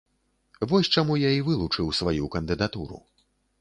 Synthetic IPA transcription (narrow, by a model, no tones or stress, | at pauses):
vɔsʲt͡ʂamujaivɨlˠut͡ʂɨwsvajukɐnd̪ɨd̪at̪uɾṵ